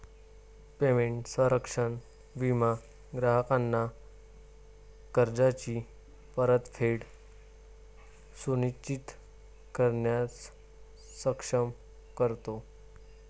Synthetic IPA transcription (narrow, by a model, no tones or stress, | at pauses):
pemeɳʈsə̃ɾəkʂəɳ | ʋima | ɡɾaɦəkanːa | kəɾd͡zat͡ɕi | pəɾət̪fʰeɽ | suniɕt͡ɕit̪ | kəɾɳjat͡s | səkʂəm | kəɾt̪o